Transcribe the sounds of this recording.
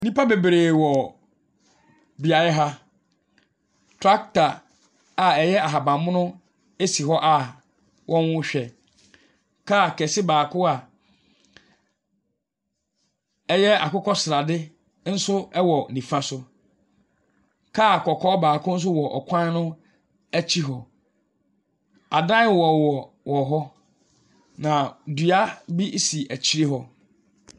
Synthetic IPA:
nĩ˦pa˦be˨bɾeː˨wɔ˨ | bi˨a˨jɛ˦ɦa˦ | tʰɾa˦k̚ta˨ | a˨ɛ˨jɛ˦a˨ɦa˨bã˨m˦mʊ̃˦nʊ̃˦ | e˦si˨ɦɔ˦ʔa˨ | wʔɔ̃˦nwʊ̃˦ɕᶣɛ˨ | kʰa˦˨kʰɛ˨sɪ˦baː˨kʰʊ˦a˨ | ɛ˦jɛ˦a̰˨kʊ˦kʰɔ˦sɾa˨dɪ˦ | n̩˦sʊ˦ɛ˦wɔ˨nĩ˨fã˦sʊ˦ | kʰa˦˨kʰɔ˨kʰɔː˦baː˨kʰʊ̃˦n̩˦s̬ʊ˦wɔ˨ʔɔ̰˨kʷʰã˦n˦nʊ̃˦ | æ˦t͡ɕʰi˦ɦɔ˨ | a˨dã˦wɔ˨wɔ˨ | wɔ˨ɦɔ˦ | nã˨dɥa˦bi˦si˨ʔæ˨t͡ɕʰi˦ɾi˦ɦɔ˦

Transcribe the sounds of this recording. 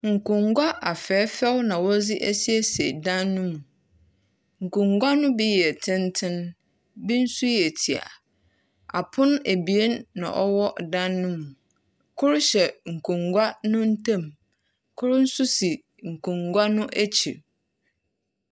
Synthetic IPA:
ŋ̩˨kʊ̃˨ŋɡʷa˦ʔa˨fɛː˨˦fɛ˦wnã˨wɔ˦d͡zɪ˦ʔæ˦si˦e˦se˨dã˦nːʊ̃˦mũ˨ | ŋ̩˨kʰũ˨ŋɡʷa˦nʊ̃˦bi˦jɛ˨tʰɪ̃˦n˦tʰɪ̃˦n | bi˦n̩˦su˦jɛ˨tʰi˨a̰˨ | a̰˨pʰʊ̃˦n˦æ˨bi˨e˦nːã̰˨ʔɔ˦wɔ˦dã˦nːʊ̃˦mũ˨ | kʰʊ˦ɾʊ˦ɕɛ˨ŋ̩˨kʰũ˨ŋɡʷa˦nʊ̃˦n̩˦tʰã˦˨m | kʰʊ˦ɾʊ˦n̩˦sʊ˦si˨ | ŋ̩˨kʰũ˨ŋɡʷa˦nʊ̃˦ʔæ˦t͡ɕʰḭ˨

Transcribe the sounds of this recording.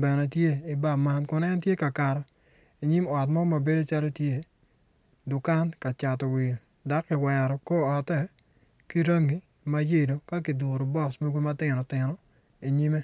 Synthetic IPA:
bɛ˨nɛ˨tje˦i˨ba˦˨ma˨nkʊ˦nɛ˦ntje˦ka˨ka˨ɾɔ˨ | i˨ɲi˦mɔ˨tmɔ˦ma˨be˦do˦t͡ʃa˦lo˦tje˦˨ | dʊ˨ka˦nka˨t͡ʃa˨tɔ˨wɪ˨o˨ | da˦kːɪ˨wɛ˨ɾɔ˨ko˦ɔ˨tɛ˦˨ | ki˦ɾa˦ŋi˨ | ma˦je˦˨do˨ka˦k̬i˨dʊ˨ɾo˨bɔ˦˨sme˦ɡo˦ma˦tɪ˨nɔ˨tɪ˨nɔ˨ | i˨ɲi˦me˦

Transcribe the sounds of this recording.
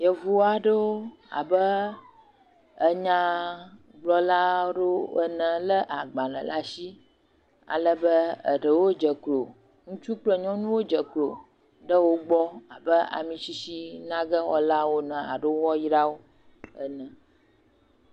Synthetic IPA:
jə˨vu˦wo˦a˨ɖə˦wo˦ | a̰˨bə˦ | ə˦ɲã˦ | ɡ͡blɔ˦la˦ɖo˦ə˦nə̃˨lə˦ʔa˨ɡ͡ba˨lə̰̃˨la˦ʃi˦ | a̰˨lə˦bə˦ə̰˨ɖə˨wo˦d͡ʒə˨klo˨ | ŋũ˦t͡ʃu˦k͡plə˨ɲɔ̃˦nũ˦wo˦d͡ʒə˨klo˨ | ɖə˦wo˦ɡ͡bɔ˦a˨bə˦a̰˨mĩ˨ʃi˦ʃi˦nã˦ɡə˦wɔ̰˦la˦wo˦nə̃˨a̰˨ɖə˦wwɔ˦ji˦ɖa˦wo˦ | ə̰˦nə̃˨

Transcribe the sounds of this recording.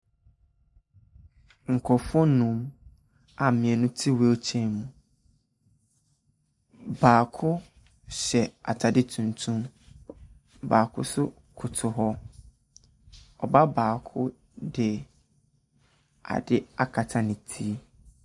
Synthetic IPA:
ŋ̩˨kʰɔ˨fɔ̃˦nũ˦m | a˨mɪ̃˨ɛ˨nʊ̃˦tʰi˦wɛ˦o˦t͡ɕʰɛ̃˦mũ˨ | baː˨kʰʊ˦ | ɕɛ˨a˨tʰa˨dɪ˦tʰũ˨ntʰũ˦m | baː˨kʰʊ̰˦sʊ˦ | kʰʊ˨tʰʊ˨ɦɔ˦ | ɔ˨ba˦baː˨kʰʊ˦ | dɪ˨ | a̰˨dɪ˦a˦kʰa˨tʰa˨nɪ̃˨tʰi˦

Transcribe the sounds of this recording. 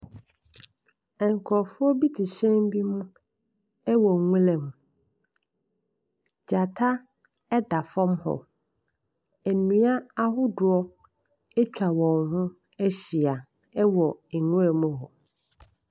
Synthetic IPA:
ɛ˨ŋ˨kʰɔ˨fʊ˦ɔ˦bi˦tʰi˨ɕɛ̃˦m˦bi˦mʊ̃˦ | ɛ˦wɔ˨ŋũ˦lɛ̃˨m˨ | d͡ʑa˨tʰa˦ | ɛ˦da˨fɔ̃˦mhɔ̰˨ | æ˨nĩ˨a˦a˦ɦʊ˦dʊ˨ɔ˦ | ɛ˦t͡ɕᶣa˨wɔ̃˨ŋhʊ̃˦ | æ˦ɕi˨a˨ | ɛ˦wɔ˨ɛ˨nʊ̃˦ɛ˨mũ˦hɔ˨

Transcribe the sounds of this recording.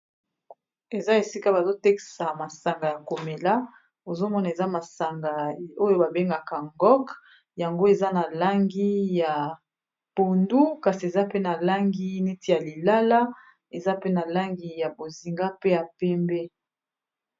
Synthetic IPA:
e˨za˦e˨si˦ka˦ba˨zo˦tɛ˦ki̥˨sa˨ma˨sa˨ŋɡa˨ja˨ko˨me˨la˦ | o˨zo˦mɔ˦na˨e˨za˦ma˨sa˨ŋɡa˨o˦jo˦ba˨be˦ŋɡa˨ka˨ŋɡɔ˦k | ja˨ŋɡo˦e˨za˦na˨la˦ŋɡi˦ja˨ | po˨ndu˦ka˨si˨e˨za˦pe˦na˨la˦ŋɡi˦ne˦ti˦ja˨li˨la˦la˦ | e˨za˦pe˦na˨la˦ŋɡi˨ja˨bo˨zi˨ŋɡa˦pe˦ja˨pɛ˦mbe˦

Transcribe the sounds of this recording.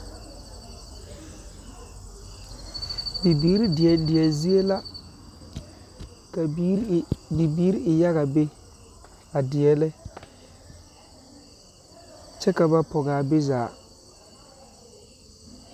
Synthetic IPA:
bi˨biː˨˦ɾi˦dɪ˨ɛ˨dɪ˨ɛ˨zi˦e˦la˦ | ka˨ | bi˨biː˦ɾɪ˨ja˦ɣa˨be˦ | a˨dɪ˨ɛ˦lɛ˦ | t͡ʃɛ˦ka˨ba˦pɔ˨ɣaː˨bɪ˦zaː˨

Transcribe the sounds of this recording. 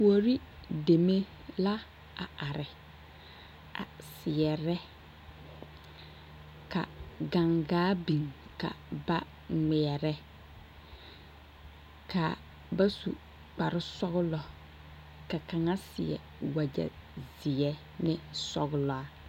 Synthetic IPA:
pu˦o˨ɾi˦ | de˨me˦ | la˦ | a˨ʔa˨ɾɪ˨ | a̰˨sɪ˨ɛ˨ɾɛ˦ | ka̰˨ɡa˨ŋɡaː˦bi˨ŋka̰˨ba˦ | ŋɪ˨ɛ˨ɾɛ˦ | ka̰˨ | ba˦sṵ˨ | k͡pa˨ɾɪ˦sɔ˦ɣʊ˦lɔ˨ | ka˨ka˨ŋa˦sɪ̰˨ɛ̰˨ | wa˨d͡ʒa̰˨zɪ˨ɛ˦ | nɪ˦sɔ˦ɡʊ˦lɔ˨a˨

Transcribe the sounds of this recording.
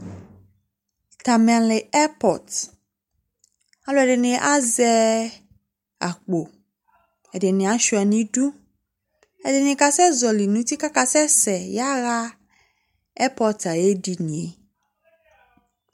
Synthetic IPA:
ta˨m̃˨ã˨le˨ɛ˦pɔ˨t | a˦lo˦ɛ˨ɖe˨nẽ˨ʔa˦zɛ˦ | a̰˨k͡po˨ | ɛ˨ɖe˨nẽ˨a˨˦ʃu˨a˨nĩ˦ɖu˦ | ɛ˨de˨nẽ˨ka˨sɛ˦zɔ˨li˨nũ˦t̪i˦ka˦ka˨sɛ˦sɛ˨ja˦ɣa˦ | ɛ˦pɔ˦ta˨je˦ɖi˨nĩ˨e˨

